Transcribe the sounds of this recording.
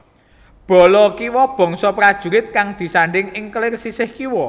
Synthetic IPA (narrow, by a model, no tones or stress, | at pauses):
b̥ɔ̤lɔkiwɔb̥ɔ̤ŋsɔpɾad̥ʒ̥ṳɾɪt̪̚kaŋd̪̥i̤saɳɖɪŋɪŋklɪrsisɪhkiwɔ